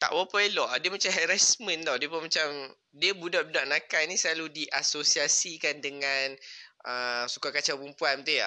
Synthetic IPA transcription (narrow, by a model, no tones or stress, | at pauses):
t̪a̰ʔwapaelɔʔadiəmat͡ʃamɦɛɾasmə̃nt̪awdiəpəmat͡ʃam | diəbudaʔbudaʔnãkanĩsəlaludiʔasosiasikandəŋãnəsu̥kakat͡ʃapumpuanmat̪uja̰